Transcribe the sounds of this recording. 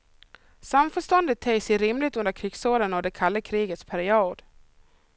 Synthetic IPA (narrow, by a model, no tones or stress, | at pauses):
samfœʂt̪ɔnd̪ət̪ʰːɛjsɛɾɪmlɪt̪ɵnd̪əɾkʰɾɪɡsoːɾənɔvd̪ɛkʰalːəkʰɾiːɡət̪spʰæɾɪuːd̪